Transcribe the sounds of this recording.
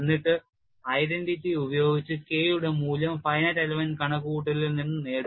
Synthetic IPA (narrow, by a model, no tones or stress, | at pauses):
nːiʈːɨ | ɐjɾeɳɖitːiubɐjo̞ːɡit͡ɕːɨke̞ːjuɽe̞muːlɐmfɐjnɐtɐlɐʋɐnkɐɳɐkːuuʈːɐlilninːɨne̞ːɽ